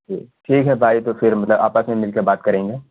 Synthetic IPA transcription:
ḭːʈʰiːkɦɛbʱaːit̪ofɪɾmɐt̪ləba̰ːpəsmẽmɪlkebaːt̪kɐɾẽːŋɡeː

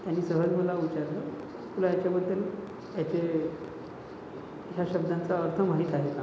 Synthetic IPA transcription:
t̪janːiːsəɦəd͡zməlauʋit͡ɕaɾlə | kulajat͡ɕjabəd̪ːəl | jat͡ɕe | ɦjaɕəbd̪ãnt͡saəɾt̪ʰəmaɦiːt̪aɦeka

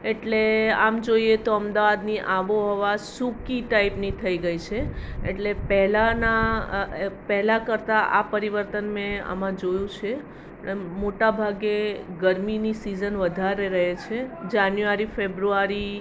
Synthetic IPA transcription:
eʈleamd͡ʒoiet̪oəmd̪aʋad̪niʔaʋoɦɔʋasukiʈaipnit̪ʰəiɡəit͡ʃʰeḛʈlepɛɦlana | pɛɦlakəɾt̪aʔa̰pəɾiʋəɾt̪ənmẽə̰mãd͡ʒojũt͡ʃʰe | moʈabʱaɡeɡəɾminisizənʋəd̪ʱaɾeɾəɦet͡ʃʰed͡ʒanjuaɾifebɾuaɾi

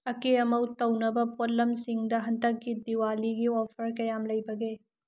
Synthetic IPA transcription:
ɐkeɐmɐwtɐwnɐbɐpotlɐmsiŋdɐɦɐndɐk̚ɡidiwaliɡiɔpʰɐɾkɐjamlɐjbɐɡe

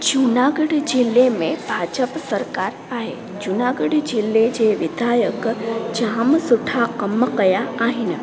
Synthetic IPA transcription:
d͡ʒunaːɡəɽd͡ʑɪlːemẽbʱaːd͡ʒəpsəɾkaːɾ | aːɦḛ | d͡ʒʊnaːɡəɽd͡ʑɪlːed͡ʑeːʋɪd̪ʱaːjəkd͡ʒaɦəmsʊʈʰakɐməkəjaaːɦɪnɪ̆

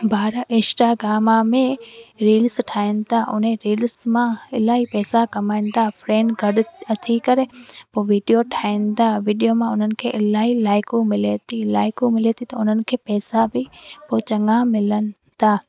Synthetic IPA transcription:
bʱaːɾaʔɪ̃ːsʈaɡɾaːmamẽɾiːlsʈʰaːɪnɪ̆t̪ʰaʔʊ̰n̤ẽɾiːlsmãɪlaːɦipɛːsakɐmaːɪnt̪ʰaːfɾeːnɡʱɐɗɐt̪ʰikɐɾepoːʋiːɖijoʈʰaːĩnɪt̪aːʋiːɖijomãʊn̤ənɪ̆kʰeːʔɪlaːilaːɪkumɪlet̪ʰilaːɪkumɪlet̪ʰit̪ɐʊn̤ənɪ̆kʰeːpɛːsabɪpoːt͡ɕɐŋamɪlənɪ̆ | t̪ʰaː

